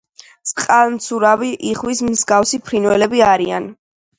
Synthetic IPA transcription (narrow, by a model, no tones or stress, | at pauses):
t̪sʼqʼalˠmt̪sʰuɾaviʔiχwismzɡafsipʰɾinwɛlɛbiaɾia̰n